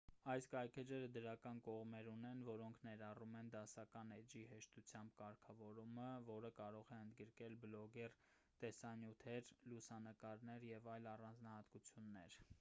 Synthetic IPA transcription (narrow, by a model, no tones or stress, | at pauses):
ɑjskɑjkʰɛd͡ʒɛɾəd̪əɾɑkɑnkɔʁmɛɾunɛnvɔɾɔŋkʰnɛɾɑrumɛnd̪ɑsɑkɑnɛd͡ʒihɛʃt̪ut͡sʰjɑmbkɑɾkʰɑvɔɾuməvɔɾəkɑɾɔʁɛənd̪ɡəɾkɛlblɔɡɛr | t̪ɛsɑnjut̪ʰɛɾlusɑnəkɑɾnɛɾjɛvɑjlɑrɑnd͡znɑhɑt̪kut͡sʰjunːɛ̰ɾ